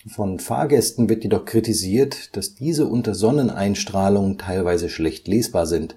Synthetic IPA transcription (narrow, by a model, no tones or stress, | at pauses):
fɔnfa̰ːɐɡɛstn̩vɪɐtjedɔχkʁ̥itiziːɐtd̥asd̥iːzəʔʊntɐzɔnənʔa̰ɪnʃtʁ̥aːlʊŋəntʰaɪlvaɪzəʃlɛçtleːsb̥aːɐzɪnt